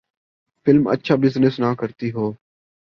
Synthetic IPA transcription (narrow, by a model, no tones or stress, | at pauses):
fʰɪlmə̰tːʃʰaːbɪzsnɪsnãːkəɾt̪iːɦoː